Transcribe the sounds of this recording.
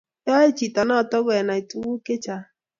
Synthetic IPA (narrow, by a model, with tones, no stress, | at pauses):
ja˦e˦t͡ʃi˨ta˨nɔ˦˨tɔ˦ɡɛ˨na˨i˨tu˨wu˦ke˦t͡ʃa˨